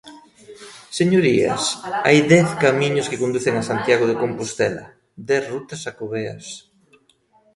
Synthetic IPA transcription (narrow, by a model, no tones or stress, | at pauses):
seɲoɾiɐ̰sa̰jðɛθkamĩɲʊskɪkond̪uθɪŋasant̪jaɣ̞oðɪkompust̪ɛlɐ̰ | d̪ɛθrut̪ɐsakoβeɐ̰s